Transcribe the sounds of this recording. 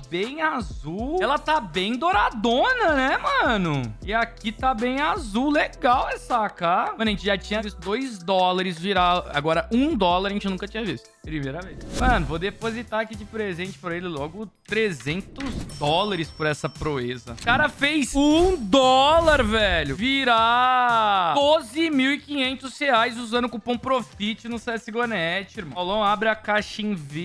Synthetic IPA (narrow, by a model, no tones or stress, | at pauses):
bẽj̃azuwɛlɐt̪abẽj̃d̪oɾad̪õnɐnɛmɐ̃nʊɪakit̪abẽj̃azuwleɡawɛsakaɐ̃nʊʒẽt͡ʃɪʒat͡ʃĩɲɐvist̪ʊd̪ojzd̪ɔlɐɾɪzviɾaa̰ɡɔɾɐʔũd̪ɔlɐɾɐʒẽt͡ʃɪnũkɐt͡ʃĩɲɐvist̪ʊpɾimejɾɐvejsmɐ̃nʊvod̪epozit̪aakid͡ʒɪpɾezẽnt͡ʃɪ̥pɾɐelɪlɔɡʊt̪ɾezẽnt̪ʊzd̪ɔlɐɾɪspʊɾɛsɐpɾoezɐ̰kaɾɐfejsũd̪ɔlaɾvɛʎʊviɾa | d̪ozɪmiwɪkĩɲẽnt̪ʊsheajzuzɐ̃nd̪ʊkũpɐ̃w̃pɾofit͡ʃɪnʊsɛsɪɡonɛt͡ʃɪɾmɐ̃wlɐ̃w̃abɾɪakaʃĩvi